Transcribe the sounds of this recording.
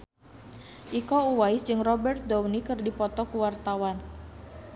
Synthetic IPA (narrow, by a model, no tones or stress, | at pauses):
ʔikɔuwajsd͡ʒɨŋrɔbɛrt̪̚downikɨrdipɔt̪ɔkuwart̪awan